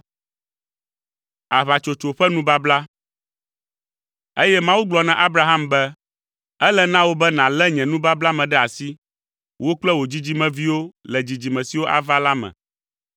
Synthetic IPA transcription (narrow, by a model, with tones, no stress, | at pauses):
a˨βa˨t͡ʃo˨t͡ʃo˨ɸɛ˦nũ˦ba˦bla˦ | e˦jɛ˦mã˦wu˦ɡ͡blɔ˨nã˨ʔa˦bɾa˦ɦa˦mbɛ˦ | ɛ˦lɛ˦nã˦wo˦bɛ˦nã˨lɛ˦ɲɛ̃˨nũ˦ba˦bla˦mɛ̃˨ɖɛ˦a˨si˦ | wo˦k͡plɛ˦wo˨d͡ʑi˦d͡ʑi˦mɛ̃˨vi˦wo˦lɛ˨d͡ʑi˨d͡ʑi˨mɛ̃˨si˨wo˦ʔa̰˨va˦la˦mɛ̰̃˨